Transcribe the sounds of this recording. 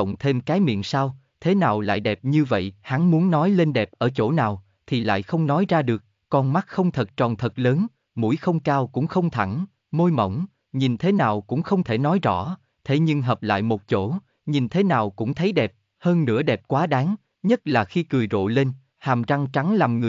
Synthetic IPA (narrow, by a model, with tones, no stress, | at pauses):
wŋ͡mt̪ʰe˧mkaː˨˦jmḭ˧˨ənsaː˧w | t̪ʰe˨˦naː˨˩wla̰ː˧˨jɗɛ˨˩p̚ɲɨ˧və̰˧˨jha˨˦ŋmu˨˦ənːɔ˨˦jle˧nɗɛ˨˩p̚ʔəː˧˩t͡ɕo̰˧˩naː˨˩w | t̪ʰi˨˩la̰ː˧˨jxə˧wŋ͡mnɔ˨˦jzaː˧ɗɨ˨˩ək̚ | kɔ˧nma˦˥t̚xə˧wŋ͡mt̪ʰə˨˩t̚t͡ɕɔ˨˩nt̪ʰə˨˩t̚ləː˨˦n | mṵ˧˩əjxə˧wŋ͡mkaː˧wkʊ̰˧˥ŋ͡mxə˧wŋ͡mt̪ʰa˧˩n | mo˧jmə̰˧˩wŋ͡m | ɲi˨˩nt̪ʰe˨˦naː˨˩wkʊ̰˧˥ŋ͡mxə˧wŋ͡mt̪ʰe˧˩nɔ˨˦jzɔ̰˧˥ | t̪ʰe˨˦ɲɨ˧ŋɦəː˨˩p̚la̰ː˧˨jmo˨˩t̚t͡ɕo˧˩ | ɲi˨˩nt̪ʰe˨˦naː˨˩wkʊ̰˧˥ŋ͡mt̪ʰə˨˦jɗɛ˨˩p̚ | həː˧nːɨ̰˧˥əɗɛ˨˩p̚kwaː˨˦ɗaː˨˦ŋ | ɲə˦˥t̚laː˨˩xi˧kɨ˨˩jzo̰˧˨le˧n | haː˨˩mza˧ŋt͡ɕa˨˦ŋlaː˨˩mŋɨ˨˩